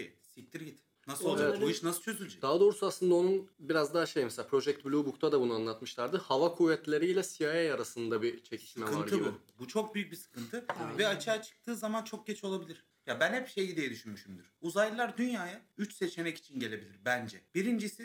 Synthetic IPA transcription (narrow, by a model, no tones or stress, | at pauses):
i | sict̪ʰʲiɾɟit̪ | nasevɛuʃnasɯ̥t͡ʃʰøzylʲd͡ʒɛd̪aɦad̪o̞ːɾusaslˠɯnd̪ao̞nunbiɾazd̪aʃejmɛseapʰɾo̞ʒɛc̚t̪̚blʲuːbukt̪ʰad̪abunuanlˠat̪mɯʃlˠaɾd̪ɯhavakʰuːvɛt̪lʲe̞ɾiːlʲɛsijajajaɾasɯnd̪abit͡ʃʰe̞cʰi̥ʃmɛvaɾɟ̪ibibut͡ʃʰo̞k̚byjyc̚bisɯ̥kɯnt̪ʰɯvɛat͡ʃʰaːt͡ʃʰɯ̥k̚t̪ʰɯːzamant͡ʃʰo̞k̚ɟet͡ʃʰo̞lˠabilʲiɾ̥ | jabænhɛpbʃejid̪ijɛd̪yʃynmyʃymd̪yɾ̥uzajlˠaɾd̪ynjaːjayt͡ʃse̞t͡ʃʰe̞mɛci̥t͡ʃʰinɟe̞lʲe̞bilʲiɾbænd͡ʒɛb̥iɾind͡ʒisɪ